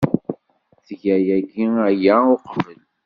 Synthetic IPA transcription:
θʝæjæɡiæjæʊqvəl

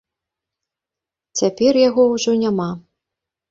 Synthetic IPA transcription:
t͡sʲapʲɛrjaɣɔwʐɔnʲama

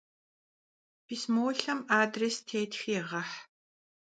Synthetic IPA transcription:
pʰismoːɬɐmaːdrestʰeːtxiʁɐħ

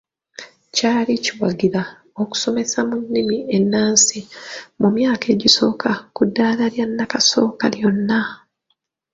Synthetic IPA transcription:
caːliciwaɡiɾa | oku̥so̞me̞samunːimienːaːnsimumjaːke̞ːɟiso̞ːkʰakudːaːlaljanːakaso̞ːkaljo̞nːa

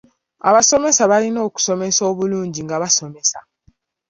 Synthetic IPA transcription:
a̰βaso̞me̞saβalino̞ːku̥so̞me̞so̞ːβuluːɲɟiŋɡaβaso̞me̞sa

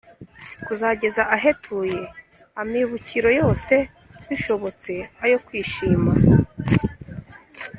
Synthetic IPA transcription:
kuzaɟe̞zaʔaɦe̞tʰuje̞amiβuciɾo̞jo̞ːse̞βiʃo̞βo̞t͡se̞ajo̞kwiːʃiːma

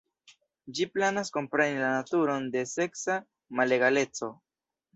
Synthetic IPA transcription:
d͡ʒiplanasko̞mpɾe̞nilanatuɾo̞nde̞se̞ksa | male̞ɡale̞t͡so̞

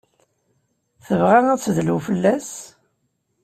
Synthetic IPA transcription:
θəvʁæŋæt͡sːðlufəlːæs

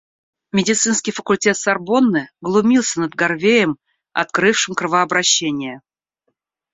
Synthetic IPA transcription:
mʲɪdʲɪt̪sɨnskʲɪjfəkʊlʲtʲe̞t̪sɐrbo̞nːɨɡlˠʊmʲilˠsʲənəd̪̚ɡɐrvʲejəm | ɐ̰t̪kɾɨfʂɨmkɾɨvəɐbɾɐɕːenʲɪjə

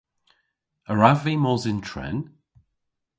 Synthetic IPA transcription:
əɹaviːmɔzɪntʰɹɛ̰n

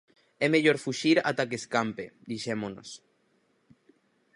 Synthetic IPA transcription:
emeʎoɾfuʃiɾa̰t̪akeskampḛd̪iʃemono̰s

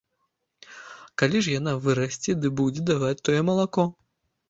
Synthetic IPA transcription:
kalʲiʂjanavɨɾɐsʲt͡sʲɛd̪ɨbud͡zʲɛd̪avat͡sʲt̪ːɔjɛmɐlˠakɔ

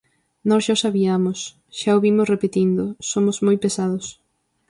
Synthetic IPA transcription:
nɔsʃasaβiamʊs | ʃaoβimʊsrepet̪ind̪ʊsomʊzmojpesaðʊs

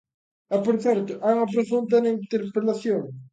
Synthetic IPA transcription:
apoɾθɛɾt̪ʊʔauŋɐp̬ɾofunt̪ɐnint̪eɾpɾelaθjoŋ

